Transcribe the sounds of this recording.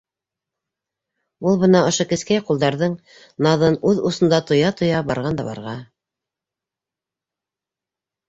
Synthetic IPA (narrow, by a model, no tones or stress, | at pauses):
ulˠβɤ̆nɑŏʃokɘ̆skæjqulˠd̪ɑɾðɤɴ | nɑðɤnʉðusŏnd̪ɑt̪ŏjɑt̪ŏjɑbɑɾʁɑnd̪ɑ̰βɑ̰ɾʁɑ